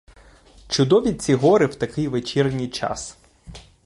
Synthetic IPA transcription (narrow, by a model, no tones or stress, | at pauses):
t͡ʃʊd̪ɔʋʲit͡sʲiɦɔɾɪwt̪ɐkɪjʋet͡ʃirnʲijt͡ʃɑ̰s